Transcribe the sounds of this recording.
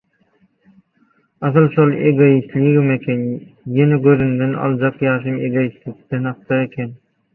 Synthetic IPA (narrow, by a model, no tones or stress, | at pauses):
ɑθɯlˠʃolˠḛɡojist̪lʲiɡimekʲʰenjeneɡøɾynd̪enɑ̰lˠd͡ʒɑqjɑːʃ̬ɯmeɡojist̪lik̚t̪enhɑq̚t̪ɑekʲʰen